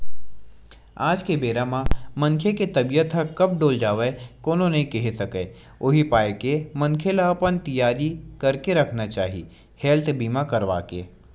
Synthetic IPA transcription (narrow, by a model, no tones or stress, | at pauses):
aːd͡ʒkebeːɾamãmɐ̃nkʰeket̪ɐbijət̪ɦəkɐp̚ɖoːld͡ʒaːʋekoːnonɐɦĩkɛɦesɐkeː | ʊɦipaːekemɐ̃nkʰelapənt̪ɐjaːɾikɐɾkeɾɐkʰnat͡ʃaːɦi | heːlt̪ʰbiːmakɐɾʋa̰ːkḛː